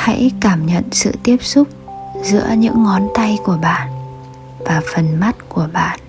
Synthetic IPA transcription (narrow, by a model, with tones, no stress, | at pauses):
ha̰˧˥jkaː˧˩mɲə̰˧˨nsɨ̰˧˨t̪i˦˥əp̚sʊ˦˥k͡p̚ | zɨ̰˧˥əɲɨ̰˧˥ŋːɔ˨˦nt̪a˧jku˧˩əɓa̰ː˧˨n | vaː˨˩fə˨˩nma˦˥t̚ku˧˩əɓa̰ː˧˨n